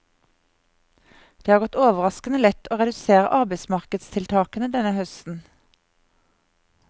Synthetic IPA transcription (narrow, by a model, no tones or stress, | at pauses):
d̪̥eːhɑːʁɡɔt̪oːʋəʁɑskənəlɛt̪ʰoːʁɛd̪ʉseːʁə̰ʔɑʁbeɪsmɑʁkəd̪st̪ʰɪlt̪ʰɑːkənəd̪ɛnəhœst̪n̩